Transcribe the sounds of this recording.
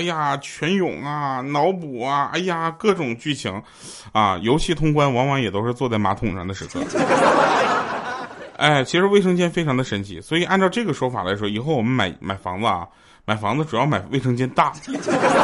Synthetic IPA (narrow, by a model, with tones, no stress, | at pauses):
ja˥˩t͡ɕʰɥɛ˧˥njʊ̰˨˩ŋɐ˧nɑ˧˥ʊpu˨˩ɐ˧a̰˥ɪja˥˩kɤ˥˩ʈ͡ʂʊ˨˩ŋt͡ɕy˥˩t͡ɕʰi˧˥ŋ | a˥˧jo˧˥ʊt͡ɕʰi˥˩t̪ʰʊ˥ŋkwa˥nwɑ˧˥ŋwɑ˧˥ŋjɛ˨˩t̪o˥ʂɻ̩˥˧t͡swɔ˥˧t͡sa˥˩ɪma˧˥t̪ʰʊ˨˥ŋʈ͡ʂʰɑ˧˥ŋd̪ə˧ʂɻ̩˧˥kʰɤ̰˧˥ | a̰˥˩ɪt͡ɕʰi˧˥ʂɻ̩˧˥we˥˩ɪʂɤ˥ŋt͡ɕjɛ˥nfe˥ɪʈ͡ʂʰɑ˧˥ŋd̪ə˧ʂə˧˥nt͡ɕʰḭ˧˥swɔ˧˥i˨˩ʔa˥˧nʈ͡ʂɑ˥˧ʊʈ͡ʂɤ˥˩ɡə˩ʂwɔ˥fa̰˨˩la̰˧˥ɪʂwɔ˥i˨˩xo˥˩ʊwɔ˨˩mə˦nma̰˨˧˩ɪma˨˩ɪfɑ˧˥ŋlə˧ɐ̰˩ | ma˨˩ɪfɑ˧˥ŋd͡zə˧ʈ͡ʂu˨˩jɑ˥˩ʊma˨˩ɪwe˥˩ɪʂɤ˥ŋt͡ɕjɛ˥nt̪a˥˩